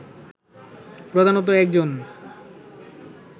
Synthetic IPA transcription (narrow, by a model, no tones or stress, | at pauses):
pɾod̪ʱanot̪̬oɛk̚d͡ʑon